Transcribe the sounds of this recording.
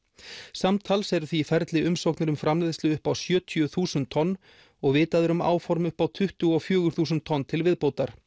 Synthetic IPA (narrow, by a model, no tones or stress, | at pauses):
samt̪ʰalsɛɾθvifɛɾt̪lɪʔʏmsowknɪɾʏmfɾamlɪðslʏʏhpawsjœːt̪ʰiʏθuːsʏnt̪ʰːɔnː | ɔɣvɪːt̪aðʏɾʏma̰ːwfɔɾmʏhpawt̪ʰʏht̪ʏɔfjœːɣʏɾ̥θuːsʏnt̪ʰːɔnːt̪ʰɪlvɪðpoːwt̪aɾ̥